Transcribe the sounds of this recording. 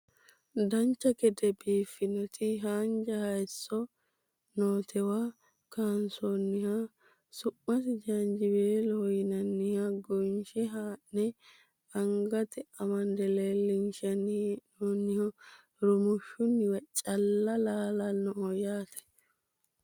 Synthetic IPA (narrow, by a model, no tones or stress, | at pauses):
d̪ɐnt͡ʃːɐkɛd̪ɛbiːfːɪnɔt̪ʰɪɦaːnd͡ʒɐhɐjɛsːɔ | noːt̪ʰɛwa | kaːnsonːɪha | sʊʔːɐt̪ɪd͡ʒand͡ʒɪbeːlɔjɪnɐnːɪhaɡɔnʃɛɦaːʔnɛ | ɐŋɡɐt̪ɛɐmɐnd̪ɛleːlɪnʃɐnːnɔnːɪhɔ | ɾʊmʊʃːʊnːɪwɐt͡ʃʼɐlːɐlaːlɐnɔhɔjaːt̪ɐ̥